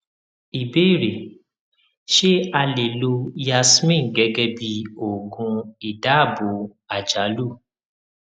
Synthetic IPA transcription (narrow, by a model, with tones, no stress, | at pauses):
i˨be˦i˦˨ɾe˨ | ʃe˦a˧le˨lo˧ja˧smĩ˦˨ɡɛ˨˦ɡɛ˦bi˧o˨ɡũ˧i˨da˨˦˨bo˨˦ | a˨d͡ʒa˨˦lu˦˨